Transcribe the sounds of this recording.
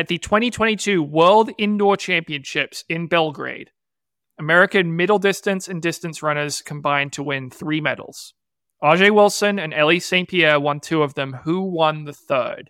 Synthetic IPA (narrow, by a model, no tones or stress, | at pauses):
ɨt̪̚ðɨtʰw̥ɛ̃ɾ̃itʰw̥ɛ̃ɾ̃itʰʉwɜ˞lˠdɪ̃ndɔɹt͡ʃʰæ̃mpiɨ̃nʃɪpsɪ̃nbɛlˠɡɹḛɪɾ | əmɛɹɨkɨ̃nmɪɾl̩ˠdɪstɨ̃nsɨ̃ndɪstɨ̃nsɹʌ̃ñə˞z̥kʰə̃m̩bãɪ̃ntʰəwɪ̃nθɹimɛɾl̩ˠz̥ | ɑʒeɪwɪlˠsɨ̃nɨ̃nɛlˠisẽɪ̃npʰiɛwʌ̃ntʰʉʌvðɨ̃mhuwʌ̃nðɨθɜ̰˞d̥